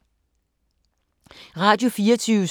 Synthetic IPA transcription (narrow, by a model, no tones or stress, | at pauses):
ʁɑ̈d̥jofiːɐt͡sʰyːʊ